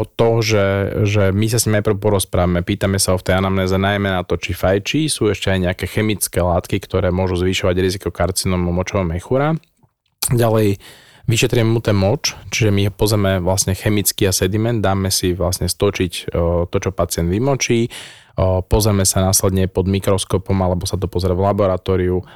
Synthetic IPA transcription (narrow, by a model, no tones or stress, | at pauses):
t̪ɔʒɛʒɛmis̬asɲimnajpɾəʊpɔɾɔspɾaːʋamɛpiːt̪amɛsaɦɔft̪ɛjanamnɛːzɛnajmɛnat̪ɔt͡ʃifajt͡ʃisuːɛʃcɛajɲɛakɛxɛmit͡skɛːlaːt̪kikt̪ɔɾɛːmʊɔʒuzʋiʃɔʋaɟɾizikɔkaɾt͡sinɔmumɔt͡ʃɔɦɔmɛxuɾa | ɟalɛj | ʋiʃɛt̪ɾiɛmɛmut̪ɛnmɔt͡ʃt͡ʃiʒɛmiɦɔpɔzɾɛmɛʋlasɲɛxɛmit͡skiasɛd̪imɛnd̪̚d̪ːaːmɛsiʋlasɲɛst̪ɔt͡ʃict̪ɔt͡ʃɔpat͡sɪɛnd̪ʋimɔt͡ʃiː | pɔzɾɛmɛsanaːslɛd̪ɲɛpɔd̪mikɾɔskɔpɔmalɛbɔsat̪ɔpɔzɾɛvlabɔɾat̪ɔːɾiu